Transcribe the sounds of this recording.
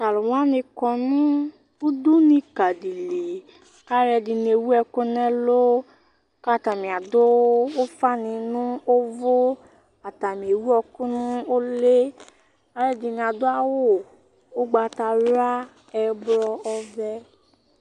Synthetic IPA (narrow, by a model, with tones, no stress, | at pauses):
ta˨lʊ˨wã˦nɪ̃˧kɔ˨nʊ̃˦ | u˦du˦nĩ˨ka˨di˨li˨ | ka˦ɾɛ˧dɪ˨n˨e˨wu˦ɛ˨kʊ˦nɛ̃˦lo˦ | ka˦t̪a˨mĩ˨a˨dʊ˦o˦fa˦nɪ̃˨nʊ̃˦o˦vo˦ | a˨t̪a˨mĩ˨e˨wu˦ɔ˨kʊ˦nʊ̃˦o˦le˦ | a˨ɾɛ˨dɪ˨nĩ˨a˨d̪ʊ˦a˨wʊ˦ | o˦ɡ͡ba˨ta˨a˦ | ɛ˨blɔ˦ɔ˦vɛ˦